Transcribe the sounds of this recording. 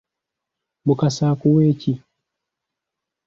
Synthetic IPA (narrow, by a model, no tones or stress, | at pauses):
bukasaːkuweːci